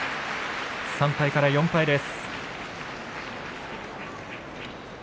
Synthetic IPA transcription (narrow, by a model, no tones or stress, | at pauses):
sãmpaikaɾajõmpaid̪e̞sɨ̥